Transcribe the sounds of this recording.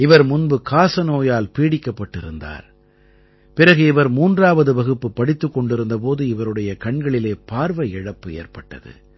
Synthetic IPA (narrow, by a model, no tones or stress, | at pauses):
ɪʋɐɾmʊnbɯkaːsɐnoːjaːlpiːɽɪkːɐpːɐʈːɪɾɯnd̪a̰ːɾ | pɪɾɐɣɯɪʋɐɾmuːndraːʋɐðɯʋɐɣɯpːɯpːɐɽɪt̪ːɯkːɔɳɖɪɾɯnd̪ɐp̬oːðɯɪʋɐɾɯɽɐjɐkɐɳɡɐɭɪleːpaːɾʋɐɛɻɐpːɯḛːɾpɐʈːɐ̰ðɯ̰